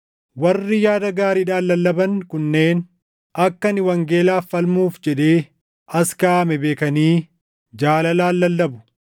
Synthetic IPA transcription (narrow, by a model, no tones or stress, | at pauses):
wɐrːɪjaːd̪ɐɡaːɾɪᶑaːlːɐlːɐbɐnkʊnːe̞ːn | ɐkːɐnɪwɐŋɡe̞ːlaːfːɐlmuːfd͡ʒɛᶑe̞ː | ɐskaːmɛbe̞ːkɐniː | d͡ʒaːlɐlaːlːɐlːɐbʊ̥